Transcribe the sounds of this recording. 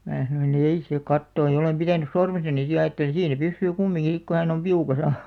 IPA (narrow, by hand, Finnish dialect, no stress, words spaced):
mæː sɑnoin ei se kɑtːoːj̆ jɑ olem pitænys̆ sormesɑni si jɑ ɑjɑtːelĩː siːn̞ se pysːyː kumːiŋki sik ku hæn om piukɑsɑ